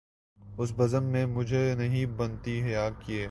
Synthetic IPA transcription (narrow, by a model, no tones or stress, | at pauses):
ʊs̬bɐzəmːẽmʊd͡ʒʱenɐɦĩbɐnt̪iɦjaːkieː